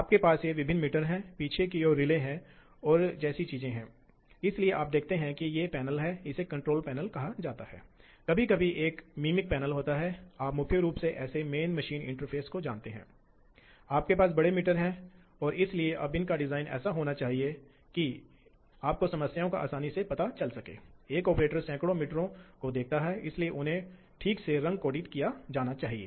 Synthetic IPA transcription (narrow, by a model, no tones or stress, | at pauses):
aːp̚kepaːsjeʋɪbʱɪnːmɪʈəɾɦɛ̃piːt͡ʃʰekioːɾɪlẽɦɛ̃ | ɔːɾd͡ʒɛːsit͡ʃiːzẽɦɛ̃ː | ɪslieʔaːp̚d̪eːk̚ʰt̪eɦɛ̃kijepɛːnəlɦɛɪsekɐ̃ɳʈɾoːlpɛːnəlkɐɦad͡ʒaːt̪aɦɛ̰ː | kɐbʱikɐbʱiʔeːkmiːmɪk̚pɛːnəlɦoːt̪aɦɛaːpmʊkʰjəɾuːpseʔɛːsemeːnmɐʃiːnɪ̰̃ɳʈəɾpʰeːskod͡ʒaːnt̪eɦɛ̰̃ː | aːp̚kepaːs̬bɐɽemɪʈəɾɦɛ̃ | ɔːɾɪslieʔɐbɪnkaɖɪzaːɪnʔɛ̰ːsaɦoːnat͡ʃaːɦie | ki | aːp̚kosɐməsjaːõkaʔa̰ːsaːnisepɐt̪at͡ʃɐlsɐkḛːeːkɔːpɾeːʈəɾsɛ̃ːkɽomɪʈɾõkod̪eːk̚t̪aɦɛɪslieʔʊnɦẽ | ʈʰiːkseɾɐ̃ŋɡ̚koːɖɪʈkijad͡ʒaːnat͡ʃaːɦiḛː